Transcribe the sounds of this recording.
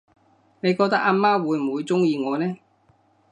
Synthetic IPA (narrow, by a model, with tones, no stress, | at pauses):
ne˨˧jkɔː˧k̚t̪ɐ˥k̚ʔaː˧˥maː˥wuː˨˧jm̩˨wuː˨˧jt͡sʊ˥ŋjiː˧ŋɔː˨˧nɛː˥